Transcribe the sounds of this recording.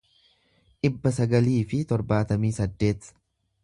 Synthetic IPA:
ᶑɪbːɐsɐɡɐliːfɪt̪ɔɾbaːt̪ɐmiːsɐd̪ːe̞ːt̪

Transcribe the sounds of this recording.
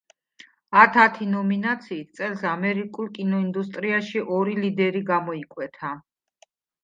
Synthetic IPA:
at̪ʰat̪ʰinɔminat̪sʰiːt̪̚ʰt̪sʼɛlˠsamɛɾikʼulˠkʼinɔind̪ust̪ʼɾiaʃiʔɔɾilid̪ɛɾiɡamɔikʼwɛt̪ʰa

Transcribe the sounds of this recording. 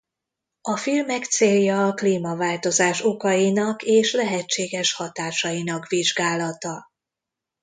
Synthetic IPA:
ɒfilmɛkt̪seːljɒːkliːmɒvaːlt̪o̞zaːʃo̞kɒjinɒkeːʃlɛɦɛt͡ʃːeːɡɛʃhɒt̪aːʃɒjinɒkʋiʒɡaːlɒt̪ɒ

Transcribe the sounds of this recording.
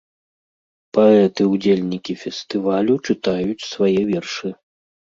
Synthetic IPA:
paɛt̪ɨwd͡zʲelʲnʲikʲifʲɛst̪ɨvalʲut͡ʂɨt̪ajut͡sʲsvajɛvʲɛrʂɨ

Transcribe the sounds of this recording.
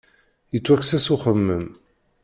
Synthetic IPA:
jət͡sːwæksæsuχəmːəm

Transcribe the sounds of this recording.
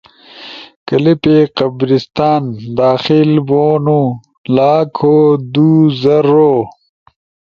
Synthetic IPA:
kɐlipeqɐbɾist̪aːnd̪aːxilboːnu | laːkʰoːd̪uːzɐɾːoː

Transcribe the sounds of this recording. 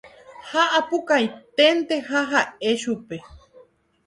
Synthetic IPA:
haʔapukajt̪ent̪ehaɦaeʃupe

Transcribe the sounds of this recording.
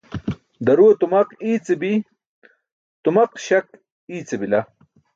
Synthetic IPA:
d̪ɐɾuɐt̪umɐqiːt͡sebi | t̪umɐqɕɐk̚ | iːt͡sebila

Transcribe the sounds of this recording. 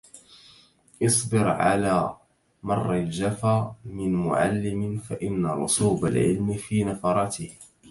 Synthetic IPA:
ʔɨsˤbɪɾʕa̰laː | mɑrˤːald͡ʒafaːmɪnmʊ̰ʕa̰lːɪmɪfaʔɪnːaɾˤʊ̰suːba̰lʕɪ̰lmɪfiːnafɑɾˤɑt̪ɪh

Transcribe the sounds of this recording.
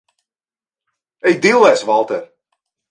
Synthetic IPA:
ɛjd̪ilˠːɛjsvalˠt̪ɛɾ

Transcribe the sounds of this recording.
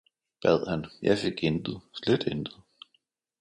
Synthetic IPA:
b̥ɛð̞̰ˠhænjɑ̈ɪfe̝ɡ̥end̥ð̩ˠsled̥end̥ð̩ˠ

